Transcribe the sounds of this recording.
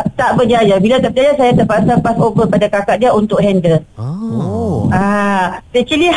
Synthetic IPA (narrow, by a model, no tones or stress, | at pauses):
t̪aʔbəd͡ʒajabilat̪aʔbəd͡ʒajasajat̪əpasapasobəpadakakaʔ̚diaunt̪ʊk̚ɦɛndə | asɛt͡ʃəli